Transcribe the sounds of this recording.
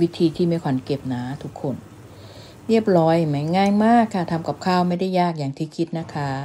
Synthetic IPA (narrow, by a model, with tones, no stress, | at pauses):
wi˦˥t̪ʰiː˧t̪ʰiː˥˩miː˧˩˨kʰwa˩˦nke˨˩p̚naː˩˦t̪ʰu˦˥kʰːo˧˩n | ɾi˥˩əp̚ɾɔː˦˥jma˨˦jŋaː˧nmaː˥˩kʰːa˧˥˩t̪ʰa˧mka˨˩p̚kʰaː˥˩wma˥˩jda˥˩jːaː˥˩k̚jaː˨˩ŋt̪ʰiː˥˩kʰi˦˥t̪̚na˦˥kʰa˦˥